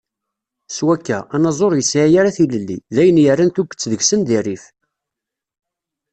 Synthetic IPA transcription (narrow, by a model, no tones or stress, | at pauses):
swækːæænɑzˤoɾjəsʕajaɾaθiləlːiðæjənjərːænt̪uɡʷːə̥t͡sːðəɡsənd̪irːif